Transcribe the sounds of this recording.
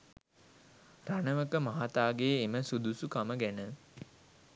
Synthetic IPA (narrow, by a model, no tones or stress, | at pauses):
ranəʋəkəmaɦat̪aːɡejeməsud̪usukaməɡænə